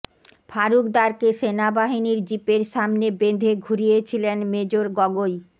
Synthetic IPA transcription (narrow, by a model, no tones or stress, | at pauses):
fʰaɾukd̪aɾkeʃenabaɦiniɾd͡ʑipeɾʃamnebend̪ʱeɡʱuɾijet͡ɕʰilenmed͡ʑoɾɡɔɡoj